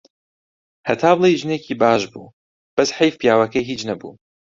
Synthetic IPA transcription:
hɐt̪ʰaːblˠejʒɨneːkʰiːbaːʃbṵː | b̥ɐsħɐjfpijaːwɐkɐjɦiːt͡ʃnɐbṵː

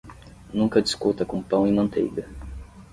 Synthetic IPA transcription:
nũŋkɐd̪iskut̪ɐkũmpɐ̃w̃imɐ̃nt̪ḛjɡ

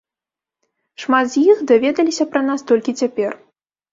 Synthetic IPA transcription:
ʂmad̪zʲjixd̪avʲɛd̪ɐlʲisʲɐpɾɐnast̪ɔlʲkʲit͡sʲapʲɛr

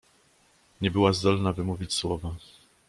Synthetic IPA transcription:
ɲɛbɘwazd̪ɔlnavɘmuvʲit͡ɕswɔva

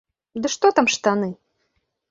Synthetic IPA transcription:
d̪ɨʂt̪ɔt̪amʂt̪anɨ

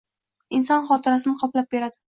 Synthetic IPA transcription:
ɪnsɒnχɒt̪ʰɪɾasɪnɪqʰɒplap̚beɾad̪ɪ

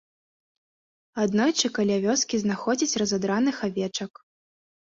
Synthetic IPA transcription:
ad̪nɔjt͡ʂɨkalʲavʲɔskʲiznaxɔd͡zʲit͡sʲrɐzad̪ɾanɨxavʲɛt͡ʂɐk

